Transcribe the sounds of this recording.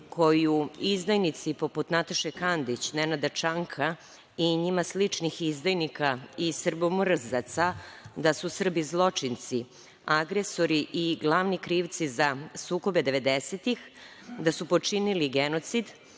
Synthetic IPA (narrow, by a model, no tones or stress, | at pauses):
kʰo̞juizd̪ajnit̪sipo̞put̪nat̪aʃekand̪it͡ɕnenad̪at͡ʃaŋkʰa | iɲimaslit͡ʂnixizd̪ajnikaisr̩bomɾzat̪sad̪asusr̩bizlˠo̞t͡ʂint̪si | aɡɾe̞so̞ɾiʔiɡlˠaʋnikɾiːʋt̪sizasuːko̞be̞d̪e̞ʋe̞d̪eset̪ix | d̪asupo̞t͡ʂiniliɡeno̞t̪sid̪